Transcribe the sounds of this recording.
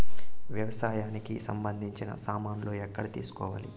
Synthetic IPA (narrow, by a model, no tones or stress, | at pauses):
ʋjɐʋɐsaːjaːnikisɐmbɐnd̪ʱiɲt͡ʃinɐ̰saːmaːnuloːɛkːɐɽit̪ḭːsu̥kɔ̰ːʋa̰ːli